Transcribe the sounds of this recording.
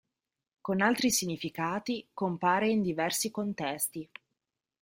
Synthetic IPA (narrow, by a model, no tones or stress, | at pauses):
konalt̪ɾisiɲːifikaːt̪ikompaːɾeind̪ivɛrsikont̪ɛst̪i